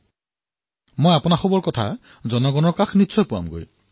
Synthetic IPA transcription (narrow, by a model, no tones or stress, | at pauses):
mojapɔnaxɔbɔɹkɔtʰa̰ | zɔnɔɡɔnɔɹkaxnitːsʰɔjpʊwa̰mɡo̰j